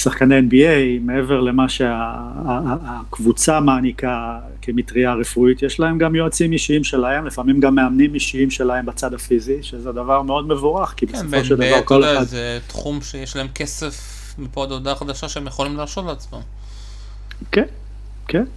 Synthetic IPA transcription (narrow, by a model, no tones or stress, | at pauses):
saχkaneenbiejme̞e̞ve̞ʁle̞maʃe̞aː | kvut͡samaːnika | kemit̪ʁiaʁefuit̪jeʃlae̞mɡamjoat͡simiʃiimʃe̞lae̞mlifamimɡamːe̞amnimiʃiimʃe̞lahe̞mbat͡sadafiziʃezed̪avaʁme̞o̞d̪me̞vuʁaχkibesovoʃeld̪avvaʁko̞leχadet̪χumʃejeʃlaemkesef | mipoad̪od̪aχad̪aʃaʃeemjeχolimlaːsot̪leat͡smam | ken | ken